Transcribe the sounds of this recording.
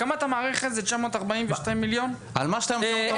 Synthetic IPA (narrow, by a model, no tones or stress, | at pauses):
kamaːt̪amaːʁeχezet͡ʃamo̞ːt̪aʁbaimveʃtaimːiljo̞n | almaʃtajm